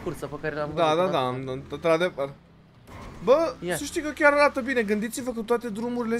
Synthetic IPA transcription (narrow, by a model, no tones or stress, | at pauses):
kurt̪sapəkaɾelad̪ad̪ad̪aɨnɨnt̪ɾad̪evər | bəsəʃt̪ijkəkʲaɾod̪at̪əbine̞ɡɨnd̪it̪sivəkut̪wat̪e̞d̪ɾumuɾile̞